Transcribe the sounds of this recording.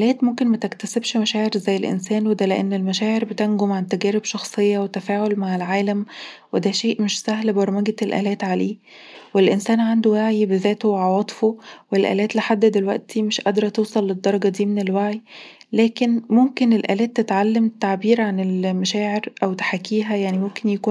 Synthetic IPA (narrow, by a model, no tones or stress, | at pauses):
ʔlæːt̪momkenmæt̪ekt̪æsebʃmæʃæːʕeɾzæjːelʔḛnsæːnwed̪æleʔenːelmæʃæːʕeɾbet̪ænɡomʕant̪æɡæːɾebʃɑxsˤejːɑwet̪æfæːʕolmaʕelʕaːlæmwed̪æʃeːʔmeʃsæɦlbɑɾˤmæɡælʔæ̰ːlæːt̪ʕaleː | welʔensæːnʕand̪owaʕjbezæːt̪owʕɑwɑːt̪ˤfowelʔæ̰ːlæːt̪leħad̪ːæd̪elwæ̰ʔt̪ʰimeʃʔɑd̪ɾˤɑt̪ewsˤɑlːed̪ːɑɾˤɑɡɑd̪iːmenelwaʕi | læːkenmomkenelʔæ̰ːlæːt̪ːet̪ʕalːæmt̪ːaʕbiːɾʕanelmæʃæːʕeɾʔæwt̪e̥ħakːiːɦæjaʕnimomkenjækuː